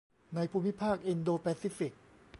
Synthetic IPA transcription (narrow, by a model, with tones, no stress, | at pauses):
na˧jpʰuː˧mːi˦˥pʰaː˥˩k̚ʔi˧ndoː˧pɛː˧siː˦˥fi˨˩k̚